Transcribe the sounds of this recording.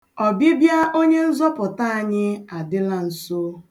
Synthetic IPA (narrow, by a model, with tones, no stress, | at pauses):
ɔ˨bi˦bja˦ʔo˦ɲe˦n̩˦zɔ˦pʊ˨ta˦a˨ɲɪ˦a˨dɪ˦la˦n̩˨so˦